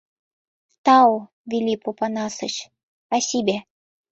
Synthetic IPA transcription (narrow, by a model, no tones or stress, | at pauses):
t̪ɑw | vʲilʲipopɑnɑsə̆t͡ɕ | ɑsʲibʲe